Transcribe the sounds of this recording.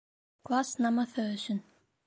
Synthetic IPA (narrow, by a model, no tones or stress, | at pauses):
kʰvasnamːaθœːðʏsʏn